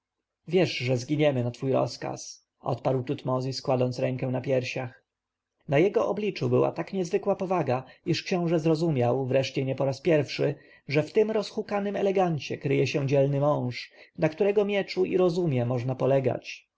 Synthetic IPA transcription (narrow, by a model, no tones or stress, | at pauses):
vʲjɛʂʐɛzɡʲiɲɛmɘnat̪fujɾɔ̰ska̰s | ʔɔ̰t̪̚paɾwt̪ut̪mɔzʲiskwad̪ɔnt̪sɾɛ̃ŋkɛw̃napʲjɛɾɕax | najɛɡɔʔɔblʲit͡ʂubɘwa̰t̪akɲɛzvɘkwapɔvaɡaiʂkɕɔ̃w̃ʐɛzɾɔzumʲjawvɾɛʂt͡ɕɛɲɛpɔɾaspʲjɛɾfʂɘ | ʐɛft̪ɘmɾɔsxukanɘmɛlɛɡaɲt͡ɕɛ̰kɾɘjɛɕɛ̃d͡ʑɛlnɘmɔ̃w̃ʂnakt̪uɾɛɡɔmʲjɛt͡ʂuʔḭɾɔzumʲjɛmɔʐnapɔlɛɡa̰t͡ɕ